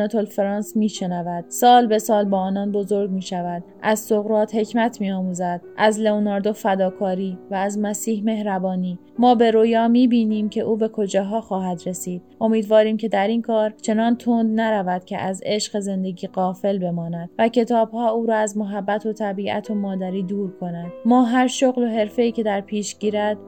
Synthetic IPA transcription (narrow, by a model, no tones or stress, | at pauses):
ot̪ʰolfeɾɑːnsmiːʃenævæd̪̥̚sɒːlbe̞sɒːlbɒːnɒːnbo̞zo̞ɾɡmiːʃævæd̪̥ | ʔæzsoɣɾɒːt̪he̞cʰmæt̪ʰmiːɒːmuːzæd̪̥̚ʔæzleonɒɾd̪o̞fæd̪ɒːkʰɒːɾiːvæːzmæsiːhme̞hɾæbɒːniː | mɒːbe̞ɾojɒːmiːbiːniːmcʰe̞ʔuːbe̞kʰo̞d͡ʒɒːɦɒːxɒːɦæd̪ɾe̞siːd̪ʔo̞miːd̪vɒːɾiːmcʰe̞d̪æɾiːnkʰɒːɾt͡ʃʰe̞nɒːnt̪ʰond̪næɾævæd̪̥cʲʰḛʔæze̞ʃɢeze̞nd̪e̞ɟiːɢɒːfe̞lbe̞mɒːnæd̪væcʰe̞t̪ʰɒːbhɒːuːɾɒːæzmoɦæbːæt̪ʰo̞t̪ʰæbiːʔæ̰t̪ʰo̞mɒːd̪æɾiːd̪uːɾkʰo̞næd̪mɒːɦæɾʃoɣlo̞ɦe̞ɾfe̞iːcʰe̞d̪æɾpʰiːʃɟiːɾæd̪̥